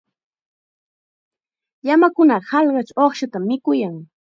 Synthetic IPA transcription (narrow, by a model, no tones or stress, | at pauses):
jamakʊnɑhɑlɢɑt͡ʃoχʃat̪amːɪkʊjaŋ